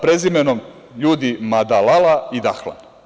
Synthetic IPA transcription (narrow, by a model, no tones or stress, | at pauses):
pɾe̞zimenom | juːd̪imad̪alalaid̪axla̰n